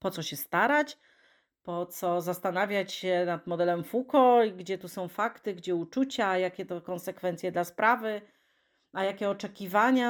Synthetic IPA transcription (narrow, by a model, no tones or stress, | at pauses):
pɔt̪sɔɕɛst̪aɾat͡ɕ | pɔt̪sɔzast̪anavʲjat͡ɕɕɛnad̪mɔd̪ɛlɛmfukɔiɡd͡ʑɛt̪usɔ̃w̃fakt̪ɘɡd͡ʑɛut͡ʂut͡ɕajakʲɛt̪ɔkɔnsɛkfɛnt̪sʲjɛd̪laspɾavɘ | ajakʲɛɔt͡ʂɛkʲivaɲa